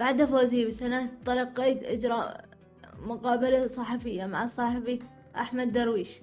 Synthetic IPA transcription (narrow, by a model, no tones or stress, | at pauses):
b̥aʕd̪afoːziːbsanat̪ˤɑlɑqːeːt̪ʔɪ̰d͡ʒɾˤɑ̰ | mʊqɑːbalasˤɑħɑfɪjːamaʕɑsˤːɑħɑfi | ʔaħmad̪ːɑɾˤwiːʃ